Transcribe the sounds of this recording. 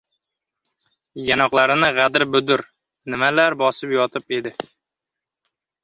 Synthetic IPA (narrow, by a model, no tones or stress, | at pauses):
janɒqlˠaɾɪnɪʁad̪ɪɾbʊd̪ʊɾ | nɪmalaɾbɒsɪpjɒt̪ʰɪpe̞d̪ɪ